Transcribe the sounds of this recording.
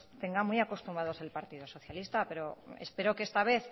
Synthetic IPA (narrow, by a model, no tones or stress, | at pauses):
t̪e̞ŋɡamujako̞st̪umbaðo̞selpaɾt̪iðo̞so̞θjalist̪ape̞ɾoḛspeɾo̞keest̪aβ̞e̞θ